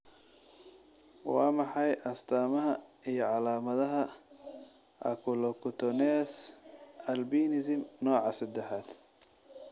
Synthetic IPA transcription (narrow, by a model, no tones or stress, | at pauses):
wɑːmɑħɑjʔɐst̪ʰaːmɐɦɐijɞʕɑlaːmɐðɐɦɐ | ʔɐ̰kʰʊlɔkʰʊt̪ʰɔnɛːsʔɐlbiːnɪzɪmnɔːʕɑsɐd̪ɛħaːd̪̥